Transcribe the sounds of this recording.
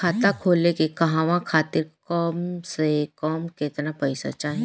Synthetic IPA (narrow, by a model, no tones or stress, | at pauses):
aːt̪akʰoːlekekɐɦaːʋãkʰaːt̪ɪɾkɔːmsekɔːmket̪napɐɪsa̰t͡ʃaːɦẽ